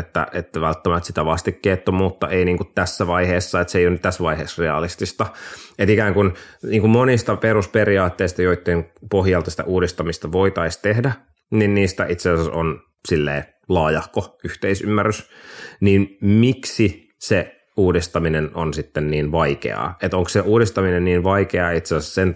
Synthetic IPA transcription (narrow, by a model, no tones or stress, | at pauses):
et̪ːæ̰et̪ːæʋælt̪ːæmæt̪sit̪æʋɑst̪ikkːeːt̪ːomut̪ːɑʔeiniːŋkut̪t̪æsːæʋɑiheːsːɑet̪seijonːyt̪t̪æsʋɑiɦeːsreɑ̰list̪ist̪ɑet̪ikæːŋkunniːŋkummonist̪ɑpeɾuspeɾiɑːt̪ːeist̪ɑjoit̪ːeːnpohjɑlt̪ɑsi̥t̪æ̰ʔuːdist̪ɑmist̪ɑʋoit̪ɑist̪ehdæ | ninniːst̪æʔit̪seɑseson | silːḛː | lɑːjɑhkoyht̪eisymːærːysniːnmiksi | se | uːdist̪ɑminenonsit̪ːenniːnʋɑikḛɑ̰ːet̪oŋksseʔuːdist̪ɑminenniːnʋɑikeɑit̪seɑsessen